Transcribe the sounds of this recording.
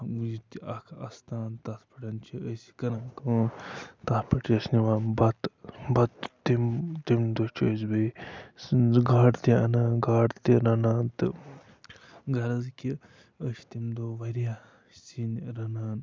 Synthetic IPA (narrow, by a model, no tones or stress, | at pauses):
jit̪iɐkʰɐst̪aːnt̪ɐt̪pɐʈʲɐnt͡ʃʰiəsi̥kɐnakət̪atpɐʈiəsniʋaːnbɐt̪bɐt̪t̪imt̪imd̪ot͡ʃʰəzbe | ɡaːɽt̪iɐnaːɡaːʈt̪iɾɐnaːnt̪ɨ | ɡɐɾɐzki | əsi̥t̪imd̪oːʋɐɾja | sinɾɐnaːn